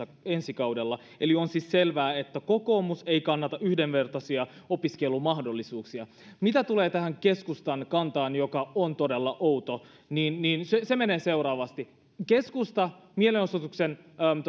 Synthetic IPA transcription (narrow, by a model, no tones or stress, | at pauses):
ɑensikɑuwdelːɑ | elionsisselʋæːet̪ːækokoːmuseikɑnːɑt̪ɑʔyhdeʋʋe̞rt̪ɑsiɑo̞piskelːˑumɑhdolːisuːksiɑ | mit̪æt̪uleːt̪æhæŋkeskust̪ɑnkɑnt̪ɑːnjokɑont̪odelːɑʔowt̪o | niːnːiːnsesemeneːse̞uɾɑːʋɑst̪i | keskust̪ɑmielenosot̪uksen